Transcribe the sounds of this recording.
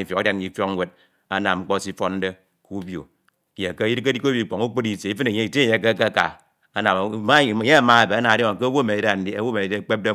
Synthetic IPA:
i˨fjo˨ka˦dja˦n˦i˦fjo˦ŋ˦we˦d̚ | a˦na˨mŋ͡m̩˦k͡po˦˨si˦fo˦n̩˦de˦ | ku˦bjo̰˨ | je˨ke˦ji˦ɾke˦di˦ko˦bi˦˨k͡po˨ŋu˦k͡po˦di˦˨se˨i˦fɨ˦ne˨ɲe˦i˨tje˦˨ke˦ke˦ka̰˨ | a˦na˨˦a˦˨ɲe˦a˨ma˦a˨be˨a˦na˨dŋo˨ke˦wo˦˨me˨de˦a˨n̩˦di˦a˦wo˦˨me˨de˦˨k͡pe˦p̚de˦

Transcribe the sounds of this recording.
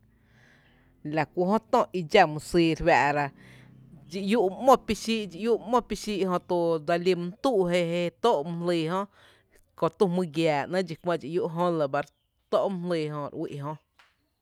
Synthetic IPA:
la˨kʷu˧ʔɦõ˦t̪õ˧˨ʔi˧d͡ʒa˧mũ˧siː˧ɾwa˧ʔɾa˧ | d͡ʒi˧ʔju˦ʔmɔ̃˦˧pi˦ʃi˦ʔd͡ʒi˧˨ju˦ʔmõ˦˧pi˧ʃi˦ʔhõ˧t̪u˧d̪a˧li˧m˧˦n˦t̪u˦ʔɦe˧ɦe˧t̪o˦ʔm̃˧liː˧˨ɦõ˦ʔ | ko˧t̪u˧mɨ̃˧ɡjaː˨nã˦d͡ʒi˧˨kʷmã˧ʔd͡ʒi˧˨ju˦ʔɦõ˦la˧˨ba˧ɾ | t̪o˦ʔm̃˧˦liː˧˨ɦõ˧ʔɾwḭ˧ʔɦõ˧

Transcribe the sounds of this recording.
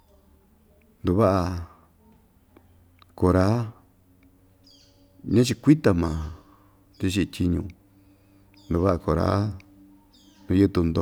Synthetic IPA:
nd̪u˧βa˦ʔa˧ | ko˧˨ɾa˦ | ɲã˦t͡ʃi˧kʷi˦t̪a˧mã˨ | t̪i˧ʃ̬i˧t̪ʲi˧ɲṵ̃˧ | nd̪u˨˧βa˦ʔa˧ko˨ɾa̰˦ | nũ˧ju˦t̪u˧nd̪o̰˧

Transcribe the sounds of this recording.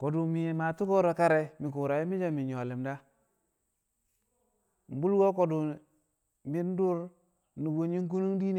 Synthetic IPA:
ko˨du˨mi˨je˨ma˨tu˦ko˦ɾo˨ka˦ɾe˨mi˨k̬u˨ɾa˨ji˦mi˦d͡ʒa˦mi˨ɲo˨le˨mda˦ | m̩˨bu˦lɡo˦k̬o˨du˨ | mi˦n˦du˦ɾ | nu˨wo˦ɲi˦ŋ˦k̬u˦nu˦ŋdi˦n˨

